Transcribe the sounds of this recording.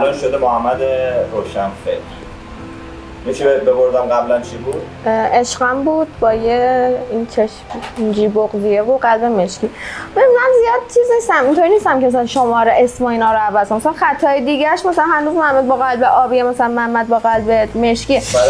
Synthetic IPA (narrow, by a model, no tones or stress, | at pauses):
ælɒnʃod̪emohæmːæd̪eɾoːʃænfekɾ | jit͡ʃʰibeed̪̚beboɾd̪æmɡæblænt͡ʃʰibuːd̪̥ | ʔeʃɡæmbuːd̪̥̚bɒːjeint͡ʃʰeʃind͡ʒiːboɣzijevoɢælbemeʃcimemænzijɒːd̪̚t͡ʃʰizniːst̪æmint̪ʰoɾiniːst̪æmcʲemas̬ælænʃomɒːɾeʔesmɒːinɒːɾoævæzknmasælænxæt̪ʰːɒːjed̪iːɟæɾʃmæsælænhænuːzmohæmːæd̪̚bɒɣælbeʔɒːbijemæsælænmææmːæd̪̚bɒːɣælbemeʃci